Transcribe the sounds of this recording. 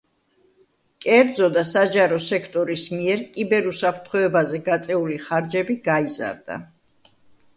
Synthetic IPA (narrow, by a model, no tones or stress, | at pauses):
kʼɛɾd̪zɔd̪asad͡ʒaɾɔsɛkʰt̪ʼɔɾismiɛɾkʼibɛɾusapʰɾt̪ʰχɔɛbazɛɡat̪sʼɛuliχaɾd͡ʒɛbiɡaiza̰ɾd̪a̰